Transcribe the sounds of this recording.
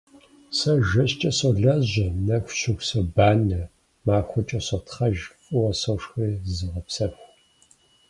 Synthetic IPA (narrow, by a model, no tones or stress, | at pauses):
sɐʒɐɕt͡ʃʼɐsoɮɐʑɐnɐxʷʃɪxʷsɐbaːnɐ | maːxʷɔt͡ʃʼɐsɐtʰχɐʒkʼʊwɐsɐʂxʷeːzɨʁɐpsɐxʷ